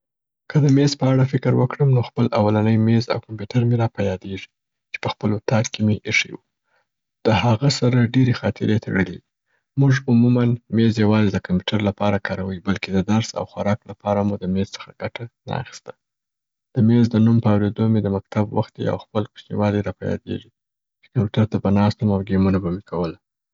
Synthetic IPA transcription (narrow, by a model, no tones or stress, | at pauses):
kəd̪əmezpəaɽafɪkəɾwəkɽəmnoxpəlʔawalanəjmeza̰wkampjuʈaɾmeɾɑpajɑd̪eʐi̥ | t͡ʃe̥pəxpəlʊt̪ɑd̪kemeʔeʂḛwu | d̪̥əhaɣasaɾaɖeɾexɑt̪ɪ̰ɾet̪ʰḛɽəlḭ | muʐumumanmezjawɑzed̪əkampu̥ʈʰaɾlapɑɾakɑɾawəjbalked̪əd̪aɾsa̰wxwaɾɑklapɑɾamud̪əmezt͡sə̥xaɡ̥aʈana̰a̰xi̥st̪ḁ | d̪̥əmezd̪ənumpəawɾed̪omed̪əmak̚t̪abwa̰xt̪̚d̪ḛa̰wxpəlku̥ʃnḭwɑleɾɑpajɑ̰d̪ḛʐi | t͡ʃe̥kampuʈaɾt̪abanɑst̪əmawɡemunabamekʰawəla